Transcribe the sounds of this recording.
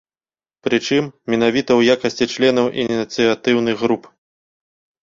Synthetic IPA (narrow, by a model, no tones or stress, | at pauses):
pɾɨt͡ʂɨmːʲin̪avʲit̪ɐwjakɐsʲt͡sʲit͡ʂlʲɛnɐwʔḭnʲit̪sɨjat̪ɨwnɨɣɣɾup